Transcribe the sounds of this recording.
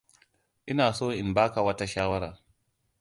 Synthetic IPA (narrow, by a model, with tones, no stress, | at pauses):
ʔɪ˦naː˨soː˦ʔɪ˨nbaː˦ka˨wɐ˦ta˦ʃaː˦wɐ˦ɾaː˨